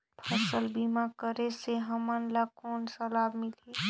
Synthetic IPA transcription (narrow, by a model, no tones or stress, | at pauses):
pʰəsəlbimakəɾeseɦəmanlakɔːnsəlaːbmɪle